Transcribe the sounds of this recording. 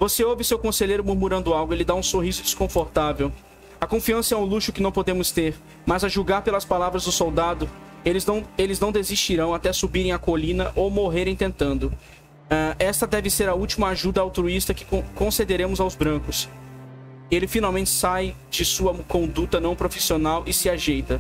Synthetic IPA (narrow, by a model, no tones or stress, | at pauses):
voseowvɪsewkõseʎejɾʊmuɾmuɾɐ̃nd̪ʊawɡʊelɪd̪aũsohizʊd͡ʒɪskõfoɾt̪avew | ɐkõfiɐ̃sɐɛʊ̃luʃʊkɪnɐ̃w̃pod̪ẽmʊst̪eɾ | mɐzɐʒuɡaɾpelɐspalavɾɐzd̪ʊsowd̪ad̪ʊ | elɪzɐ̃elɪznɐ̃w̃d̪ezist͡ʃiɾɐ̃w̃at̪ɛsubiɾẽj̃ɐkolĩnɐʔomoɦeɾẽj̃t̪ẽnt̪ɐ̃nd̪ʊ | ɛʔɛst̪ɐd̪ɛvɪseɾɐuwt͡ʃimɐaʒud̪ɐawt̪ɾuist̪ɐkɪ̥kõkõsed̪eɾẽmʊzawzbɾɐ̃kʊs | elɪfinawmẽnt͡ʃɪ̥sajd͡ʒɪsuɐkõnd̪ut̪ɐnɐ̃w̃pɾofisionawʔɪsɪaʒejt̪ɐ